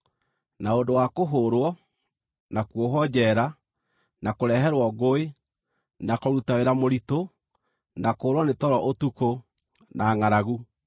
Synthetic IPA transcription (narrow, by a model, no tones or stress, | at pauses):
naondowakoɦoɾwɔ | nakwoɦɔd͡ʑɛɾa | nakoɾɛɦɛɾwɔɣoe | nakɔɾutaweɾamoɾito | nakoːɾwɔnetɔɾɔʔotuko | naːŋaɾaɣu